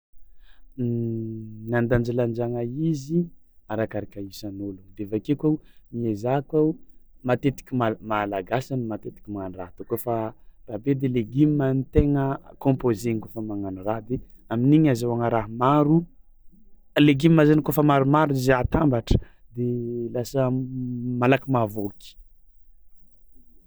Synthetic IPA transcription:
nand̪and͡ʒiland͡ʒaŋaizi | aɾakaɾakʲaisanolud̪evakekawmiezakamat̪et̪i̥kʲimamalaɡasanmat̪et̪i̥kʲimanurat̪ukofarabed̪eleɡimimanit̪eŋəkõmpozeŋkofəmaŋanuraɦd̪eaminiɲazawaŋəɾaɦmaɾu | leɡimimazanikofəmaɾumaɾuizat̪ambaʈ͡ʂə̥ | d̪elasə | malakimavoki̥

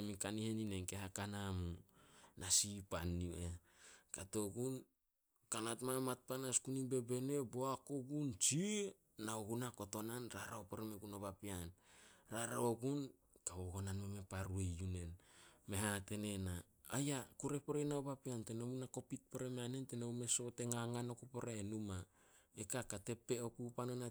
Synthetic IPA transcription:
emikanihe̞nine̞nkeɦakanamunʔasipanːie | kato̞ɡun | kanatmamat̚panaskunibe̞be̞ne̞bo̞akoɡunt͡ʃi | naoɡunako̞to̞nanɾa̰ɾaopeɾemeɡunobapianɾaɾaoɡun | kaβoɡonanmeme̞paɾuejjune̞nme̞ɦate̞ne̞naː | jakuɾe̞poɾenaobapiantenomunako̞pit̚peɾemeanentenowme̞soteŋaŋanokupoɾaenuma | ekakate̞pe̞okupanona

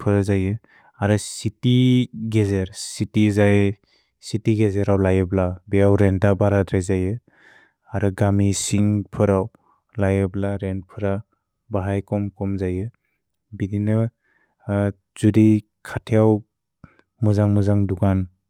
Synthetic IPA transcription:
pʰɯɾzajɯ | aɾɯsitiɡezeɾsitizaj | sitiɡezeɾawlajɯblabeawɾentabaɾadɾajzajɯ | aɾɯɡamisiŋpʰɯɾaw | lajɯblaɾenpʰɯɾa | baɦajkɔmkɔmzajɯ | bininɯ | z̥udi | kʰatʰejaw | mɯzaŋmɯzaŋdukan

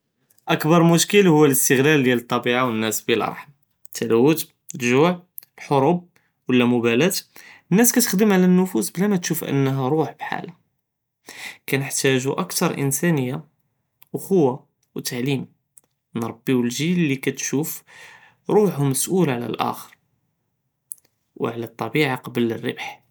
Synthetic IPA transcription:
ʔəkbɑɾˤmʊʃkəlhʊwːæləst̪əɣlæld̪jælt̪ˤːɑbiʕawənːæsbilʔɑ̰ɾˤħm | t̪ʰːælæwːʊt̪ | lʒʊʕ | b̥ħoɾub̚ | wəlːæmʊbælæt̪ənːæskæt̪ə̥xd̪əmʕlænːʊfusblæmæt̪ʃufʔə̰nːɦæɾˤuħb̥ħa̰l | kænəħt̪æʒuʔəkt̪ɑɾˤʔə̰nsænəjːa | ʔʊxʊwːa | wt̪aʕlim | ənɾˤɑbːiwəlʒilːikæt̪ʃuf | ɾˤuħməsʔulʕlæ̰lʔæ̰xəɾ | wʕlæt̪ˤːɑbiʕaqɑbələrːə̰bħ

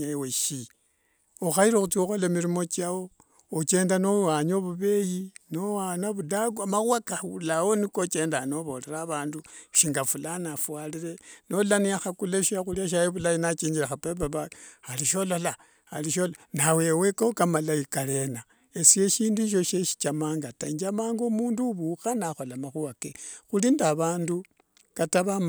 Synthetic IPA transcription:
aweʃi | oxaiɾoxut͡sioxolamiɾimo̞t͡ʃawo̞ | ot͡ʃe̞ːndanowaɲoβuβe̞jinowanoβudaɡuamaɣwakaulawonikot͡ʃe̞ːndano̞βo̞leɾaːβaːnduʃiŋɡafulanafwaliɾe̞no̞laniaxakuleʃiaxuliaʃ̬ajiβulajinat͡ʃiːɲd͡ʒiɾaxapep̬aβaaliʃo̞lo̞la | aliʃolnawe̞wekokamalaikale̞na | esie̞ʃiːndiʃ̬o̞ʃeʃi̥t͡ʃamaːŋɡataiɲd͡ʒamaːŋɡomuːnduβuxanaxo̞lamaxuakexulindaβaːndu | kataβam

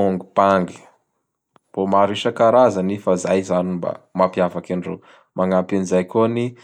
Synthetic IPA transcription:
oŋɡub̥aŋɡi̥ | b̥omaɾiʃakaɾazanifazajzanimba̰mapiavakiɳɖ͡ʐḛ | mʔaŋampinizajkoni

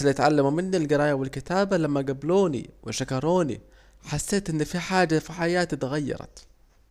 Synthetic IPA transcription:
lɪt̪ʕalːamumɪnːilɡɪɾˤɑːjawɪlkɪt̪aːbalamːaɡabloːnḭwɪʃakɑɾˤoːnḭ | ħasːeːt̪ʔɪnːfiħaːd͡ʒːafiħajaːt̪it̪ɣajːɑ̰ɾˤɑ̰t̪

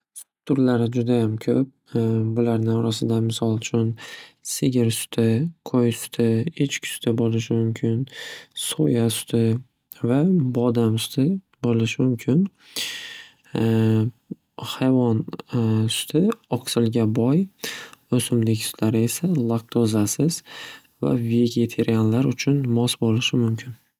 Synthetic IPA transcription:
t̪ʰʊɾlaɾɪd͡ʒʊd̪ajamkʲʰɵp̚bʊlaɾnɪɒɾasɪd̪amɪsɒlˠt͡ʃʰʊnsɪɡʲɪɾsʊ̥t̪ʰɪkʰojsʊ̥t̪ʰɪet͡ʃkʲʰsʊ̥t̪ʰɪbolɪʃ̬ɪmʊmkʲʰɪnso̰jasʊ̥t̪ʰɪ | vabɒd̪amsʊ̥t̪ʰɪ | bolɪʃɪmʊmkʲʰɪn | hajvɒnsʊ̥t̪ʰɪɒksɪlˠɡʲabɒj | osʊmd̪ɪkʲsʊ̥t̪ʰlaɾɪe̞salˠak̚t̪ʰozasɪz | va̰ve̞ɡʲe̞t̪ʰe̞ɾijanlaɾʊt͡ʃʰʊnmɒsbolɪʃɪmʊmkʲʰɪn

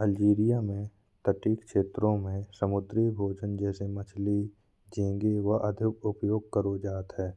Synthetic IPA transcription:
əld͡ʒiːɾijamẽ | t̪əʈiːkʃeːt̪ɾõmẽsəmʊd̪ɾibʱoːd͡ʒənd͡ʒɛːsemət͡ʃʰli | d͡ʒẽːɡeʋɐʔɐd̪ʱjʊpʊpjoːɡ̚kəɾod͡ʒaːt̪ɦɛː

